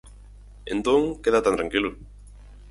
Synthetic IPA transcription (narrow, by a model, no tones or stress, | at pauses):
ẽnt̪õŋkeðat̪ãnt̪ɾaŋkilʊ